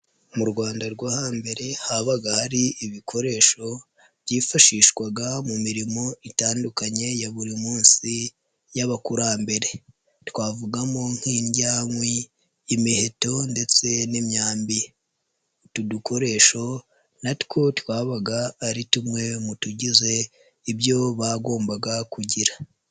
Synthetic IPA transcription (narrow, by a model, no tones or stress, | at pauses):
muɾɡwaːndaɾɡwaːhambe̞ɾe̞haβaɡahaɾiiβikʰo̞ɾe̞ʃo̞ | βɟiːfaʃiːʃkwaɡamumiɾimo̞itaːndukaɲe̞jaβuɾimuːnsi | jaβakuɾaːmbe̞ɾe̞ | tkwaːvuɡamoŋ̥hiːɲɟaːŋwiː | mihe̞to̞nde̞t͡se̞nimɲaːmbi | tuduko̞ɾe̞ːʃo̞ | natko̞twaːβaɡaːɾitumŋe̞mutuɟize̞ | ibjo̞βaɡo̞ːmbaɡakuɟiɾa